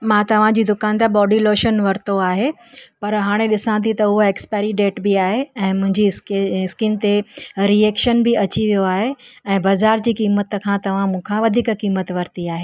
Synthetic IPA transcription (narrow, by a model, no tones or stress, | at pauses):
mãːt̪ɐʋ̤ãd͡ʑiːd̪ʊkaːnt̪eɓɔːɖiloːʃənʋɐɾt̪oaːɦe | pɐɾɦaːɽ̃eɗɪsãt̪ʰĩt̪ɐʊɦoeːkspɛːɾiɖeːʈbiaːɦeɛ̃ːmʊ̃ɦɪ̃ɲd͡ʑiskɪnt̪eɾieːkʃənbɪʔɐt͡ɕiʋijoaːɦeɛ̃ːbɐːzaːɾd͡ʑiːkiːmət̪kʰãt̪ɐʋ̤ãmũːkʰãʋɐd̪ʱiːkkiːmət̪ʋɐɾt̪iaːɦeː